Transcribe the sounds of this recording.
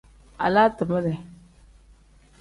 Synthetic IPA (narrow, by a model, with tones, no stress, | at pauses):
a̰˨la˦tə˨ma˦dɛ˨